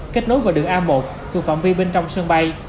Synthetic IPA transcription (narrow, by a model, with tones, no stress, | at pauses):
ke˦˥t̚no˨˦jvaː˨˩ɗɨ˨˩ək̚ʔaː˧mmo˨˩p̚t̪ʰu˨˩kfa̰˧˨mvi˧ɓe˧nt͡ɕɔ˧wŋ͡msɨ˧əŋɓa˧j